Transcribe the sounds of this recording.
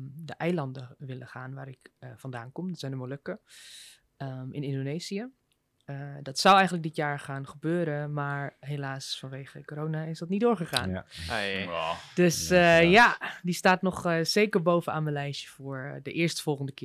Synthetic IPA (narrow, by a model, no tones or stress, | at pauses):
dəʔɛjlɑndəʋɪləχaːnʋaːɾɪkfɑndaːnkɔmdətz̥ɛjndəmoløkə | əmɪ̰nɪndonejziə | dɑtsawɛjxχənlək̚dɪtjaːɹχaːnχəbøːɾəmaːɹɦelaːsfɑnʋejχəkoːɾoːnaɪsdɑtnidoːɹχəχa̰ːn | d̥øsjadistaːtnɔχzejkəɹbowvənaːnməlɛjʃəfʊːɹdəʔɪːɹstəfɔlˠχəndəkɪ